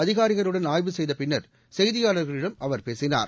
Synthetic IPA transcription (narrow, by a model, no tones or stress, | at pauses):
ɐðɪɣaːɾɪɣɐɾɯɽɐnaːjʋɯsɛjðɐpɪnːɐɾ | sɛjðɪjaːɭɐɾɣɐɭɪɽɐmɐʋɐɾpeːsɪna̰ːɾ